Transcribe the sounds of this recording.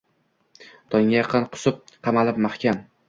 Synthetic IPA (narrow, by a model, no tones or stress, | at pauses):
t̪ʰɒŋʲajɑqʰɨnqʰʊ̥sʊp̚qʰɑmalɪp̚maχkʲʰam